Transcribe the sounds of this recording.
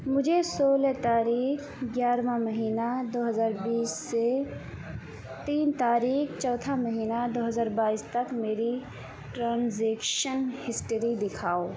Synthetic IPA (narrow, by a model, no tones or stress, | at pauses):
mʊd͡ʒʱesoːlɛt̪aːɾiːkʰ | ɡjaːɾmãməɦiːnad̪oːɦəzaːɾbiːsːe | t̪iːnt̪aːɾiːkt͡ʃɔːt̪ʰaməɦiːnad̪oːɦəzaːɾbaːist̪ɐkmeːɾi | ʈɾãːnzeːkʃənhɪsʈəɾid̪ɪkʰaːo